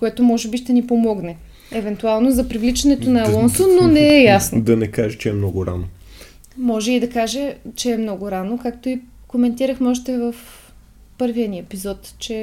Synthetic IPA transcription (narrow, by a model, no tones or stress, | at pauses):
koɛt̪omɔʒɛbiʃt̪ɛnipomɔɡnɛ | ɛvɛnt̪ualˠnozɐpɾivlit͡ʃɐnɛt̪onɐlˠɔnsonːonɛɛjasnod̪ɐnɛkaʒɛt͡ʃɛɛmnɔɡʊɾa̰no | mɔʒɛid̪ɐkaʒɛt͡ʃɛːmnɔɡʊɾanokakt̪oi | komɛnt̪iɾɐxmɛɔʃt̪ɛvɐf | pɤɾviɐniɛpizɔt̪t͡ʃɛ